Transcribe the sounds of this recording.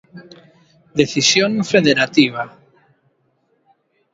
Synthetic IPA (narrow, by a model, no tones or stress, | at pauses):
d̪eθisjoŋfeðeɾat̪iβa